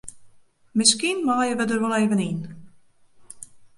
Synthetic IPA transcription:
mɪskinmaːjəʋədərʋɔleːvənin

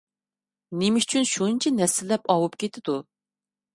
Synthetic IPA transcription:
nemɪʃy̥t͡ʃʰynʃuɨnt͡ʃʰɛnɛsɪlːɛpɑwupkʲet̪ʰɪd̪u

